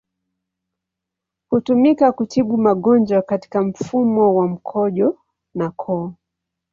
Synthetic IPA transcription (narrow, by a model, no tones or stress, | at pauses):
hutumikakutʰiɓumaɠɔnd͡ʒwakati̥kam̩fumɔwam̩kʰɔʄɔ | nakʰɔ